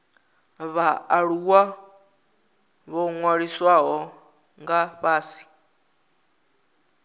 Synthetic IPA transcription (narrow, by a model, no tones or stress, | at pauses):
βaːɺuwa | βɔŋwaɺiswaɦɔ | ŋɡaβaːsi̥